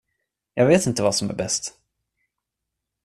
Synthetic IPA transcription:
jɑːɡveːt̪ɪnt̪əvasɔmæ̰ɾbɛst̪

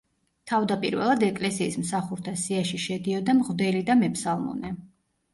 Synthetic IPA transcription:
t̪ʰavd̪apʼḭɾvɛ̰lˠad̪ɛkʼlɛsiːsmsaχuɾt̪ʰasiaʃiʃɛd̪iɔd̪amʁvd̪ɛlid̪amɛpʰsalˠmɔ̰nɛ

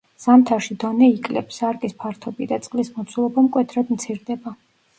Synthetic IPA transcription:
samt̪ʰaʃid̪ɔnɛikʼlɛ̰psaɾkʼispʰaɾt̪ʰɔbid̪at̪sʼqʼlismɔt̪sʰulˠɔbamkʼwɛt̪ʰɾad̪mt̪sʰiɾd̪ɛba

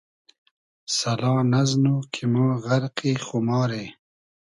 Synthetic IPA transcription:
salɑːnaznukʰimɑːɣaɾqixʊmɑːɾe

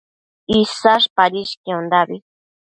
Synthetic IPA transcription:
isaʃpaɾiʃkiond̪abi

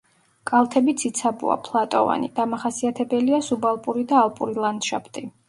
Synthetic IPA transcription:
kʼalˠt̪ʰɛbit̪sʰit̪sʰabṵa̰pʰlˠat̪ʼɔva̰nḭd̪̥amaχasiat̪ʰɛbɛliasubalˠpʼuɾid̪aːlˠpʼuɾilˠand̪ʃapʰt̪ʼi

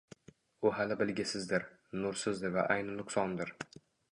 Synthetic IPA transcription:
ʊɦalɪbɪlɡʲɪsɪzd̪ɪɾ | nʊɾsɪzd̪ɪɾva̰ʔajnɪnʊqsɒnd̪ɪɾ

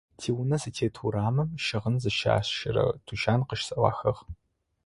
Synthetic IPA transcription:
tʰiːwʊnɐsɨtʰeːtʰuɾaːmɨmʃɐʁənzɨʃa̰ːɕʃɐɾɐ̰tʰuʃaːnqəʃsɐwɑ̰ːxɐʁ

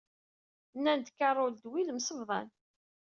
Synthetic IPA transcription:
nːænd̪kːɑrˤold̪wilmsəvðˤɑ̰n

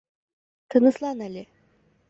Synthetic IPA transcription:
t̪ʰənəslˠɑnælʲe

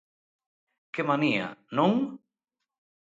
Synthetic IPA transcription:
kemania̰nuŋ

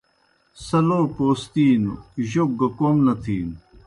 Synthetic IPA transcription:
sɐloːpoːst̪iːnuʑoɡɐkoːmnɐt̪ʰiːn

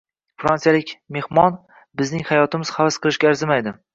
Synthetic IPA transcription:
fɾansijalɪkʲme̞hmɒn | bɪznɪŋhajɒt̪ʰɪmɪz̥havasqʰɨlˠɪʃkʲaːɾzɪmajd̪ɪ

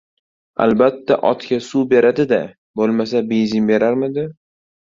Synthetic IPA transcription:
a̰lbat̪ʰːaʔɒt̪kʲasube̞ɾad̪ɪd̪a | bolˠmasabezɪmbe̞ɾaɾmɪd̪ɪ

